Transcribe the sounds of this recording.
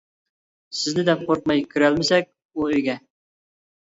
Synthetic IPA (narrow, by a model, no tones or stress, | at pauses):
sɪznɪd̪ɛp̚qʰoɾq̚mɑjkʲʰyɾælmɪsɛk̚ʲ | uøjɡʲɛ